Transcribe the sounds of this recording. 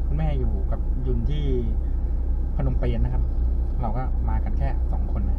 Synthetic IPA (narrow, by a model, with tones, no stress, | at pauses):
kʰu˧nmɛː˥˩juː˨˩ka˨˩p̚ju˧nt̪ʰiː˥˩ | pʰa˧no˧mpe˧nːa˦˥kʰp̚ | ɾa˧wkɔː˥˩maː˧ka˧nkʰɛː˥˩sɔ˩˦ŋkʰo˧nːa˦˥